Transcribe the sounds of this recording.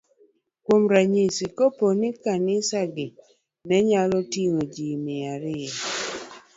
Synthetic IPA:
kwomɾaɲisikoponikanɪsaɡɪ | nɛɲalɔtiŋod͡ʒimɪaɾɪa

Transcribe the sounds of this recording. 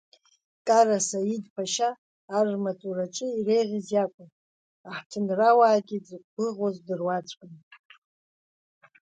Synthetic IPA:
kʼaɾasaidpʰaʃaː | rrmat͡sʼuɾat͡ʃʼɪirejʁʲɪzjakʷʼʊn | aħtʰɨnrawaːɡʲid͡zɨqɡʷɨʁazdɨrwat͡ʃʷʰʼkʼɨn

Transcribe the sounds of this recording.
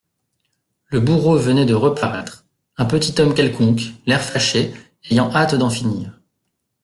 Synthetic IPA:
ləbuʁovənɛd̪əʁəpaʁɛt̪χ | ɛ̃pət̪it̪ɔmkʲɛlkɔ̃klɛʁfaʃe | ejɑ̃ʔat̪d̪ɑ̃finiːʁ

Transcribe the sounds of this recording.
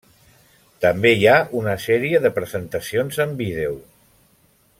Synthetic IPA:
t̪əmbeijaunəsɛɾiəðəpɾəzənt̪əsionzəmbiðew

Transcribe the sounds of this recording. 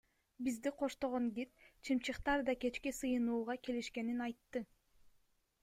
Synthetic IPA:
bizd̪iqʰo̞ʃt̪o̞ʁoŋɡʲit̪̚t͡ʃʰimt͡ʃɯqt̪ɑɾd̪ɑke̞t͡ʃkisɯjɯnuːʁɑke̞liʃke̞ninɑjt̪ːɯ

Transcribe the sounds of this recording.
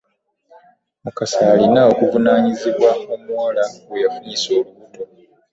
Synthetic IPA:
mukasaːlinao̞kuvunaːɲiziβwao̞mwalaɡwejafuniso̞ːluβuto̞

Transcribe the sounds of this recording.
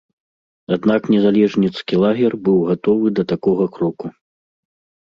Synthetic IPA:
ad̪naknʲɛzalʲɛʐnʲit̪skʲilˠaɣʲɛrbɨwɣat̪ɔvɨd̪ɐt̪akɔɣɐkɾɔku

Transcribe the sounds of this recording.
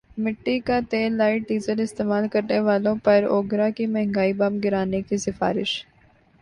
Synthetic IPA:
mɪʈːikat̪eːlːaːɪʈ̚ɖiːzəlɪst̪eːmaːlkɐɾneʋaːlõpɐɾo̰ːɡɾakimɛɦŋɡaːibɐmɡɪɾaːnekisɪfa̰ːɾɪʃ

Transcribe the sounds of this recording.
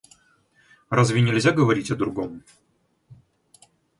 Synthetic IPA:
razvʲɪnʲɪlʲzʲaɡəvɐɾʲitʲɐd̪ɾʊɡom

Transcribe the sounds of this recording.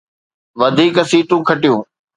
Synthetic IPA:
ʋɐd̪ʱiːkəsiːt̪ũkʰɐʈijũː

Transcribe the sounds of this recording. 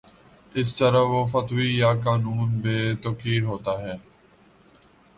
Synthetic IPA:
ɪs̬t̪əɾəʋoːfət̪wiːjaːkaːnuːnbeːt̪okiːɾɦoːt̪aːɦɛː

